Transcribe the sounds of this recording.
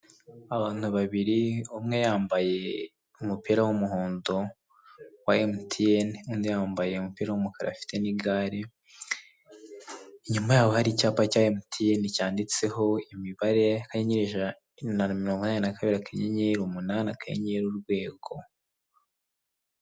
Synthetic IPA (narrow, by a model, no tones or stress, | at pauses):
aβaːn̥huβaβiɾiumŋe̞jaːmbaje̞ | umupiɾawumuɦoːndo | waemutʰijenumŋejaːmbaje̞umupiːɾawumukaɾa̰fi̥teniɡaːɾe | iɲumajaːβohaɾicaːpacaːemutʰijenicaːndit͡se̞ɦo̞imiβaɾe̞akaɲeɲeɾeʒa | nanamiɾoːŋɡonaːninakaβiɾiakʰaɲeɲeɾumunanakajḛɲeeɾuɾɡwe̞ːɡ̥o̞